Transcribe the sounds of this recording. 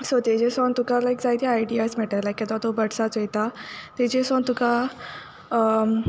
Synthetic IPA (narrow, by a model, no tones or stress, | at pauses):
sot̪ed͡ʑesont̪ukalajkd͡zajt̪iajɖiasmɛʈalakːat̪at̪obəɽsat͡sjt̪at̪ed͡ʑesont̪uka